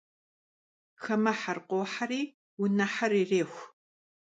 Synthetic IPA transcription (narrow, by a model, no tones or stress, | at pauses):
xɐmɐħarqʷoːħaɾiː | wʊnɐħariːreːxʷ